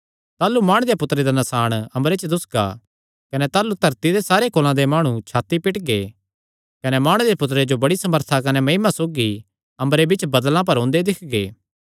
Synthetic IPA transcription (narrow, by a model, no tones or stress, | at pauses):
t̪aːlumaːɽ̃d̪epʊt̪ɾed̪anɐsaːɽ̃ɐ̃mɾet͡ʃəd̪ʊsɡa̰ | kɐnɛt̪aːlut̪ɐɾt̪id̪esaːɾekoːlãd̪emaːɽ̃ũt͡ʃʰaːt̪ːipɪʈɡeː | kɐnɛmaːɽ̃d̪epʊt̪̬ɾed͡ʒobɐɽisɐməɾt̪ʰakɐnɛmɐimasoːɡi | ɐ̃mbɾebɪt͡ʃbɐd̪lãp̬ɐɾɦõːnd̪ed̪ɪkʰɡḛː